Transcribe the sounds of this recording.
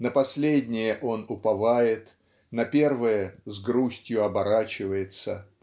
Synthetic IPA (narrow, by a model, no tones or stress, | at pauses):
nəpɐsʲlʲedʲnʲɪjəʔo̞nʊpɐvajɪt̪ | nɐpʲe̞rvɨjəzɡɾusʲtʲjʊɐbɐɾat͡ɕɪvəjɪt̪sə